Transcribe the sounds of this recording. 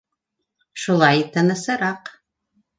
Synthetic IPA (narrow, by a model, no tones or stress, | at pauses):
ʃulˠɑjt̪ɤ̆nɤ̆sɤ̆ɾɑq